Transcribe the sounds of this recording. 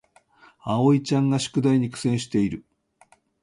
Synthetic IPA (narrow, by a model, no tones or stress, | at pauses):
ao̞it͡ɕãŋɡaɕi̥kɯ̟d̪aiɲ̟ikɯ̥sẽ̞ɰ̃ɕi̥t̪e̞iɾɯ̟